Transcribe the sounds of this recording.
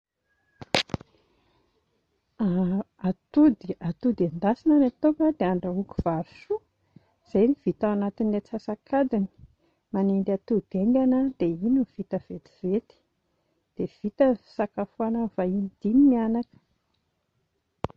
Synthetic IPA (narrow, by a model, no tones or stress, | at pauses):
a | at̪ud̪iat̪ud̪and̪asinanat̪ukəd̪̥eaɳɖ͡ʐauku̥v̥aɾusu | z̥ajniv̥it̪aanat̪inet͡sasakʰad̪ini̥ | manend̪at̪ud̪̥eŋɡanəd̪̥einuv̥it̪əv̥et̪i̥v̥et̪i̥ | d̪̥ev̥it̪əsakafuanavainid̪̥inimianakə̥